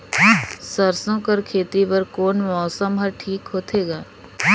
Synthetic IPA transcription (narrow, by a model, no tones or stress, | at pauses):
sɐɾsõkɐɾkʰeːt̪ipɐɾkoːnmɔːsəmɦɐɾʈʰiːkɦoːt̪ʰeːɡaː